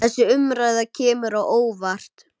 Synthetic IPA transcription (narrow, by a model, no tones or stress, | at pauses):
ɛsːɪʏmɾaːjðacʰɛːmʏɾawoːwvar̥t̪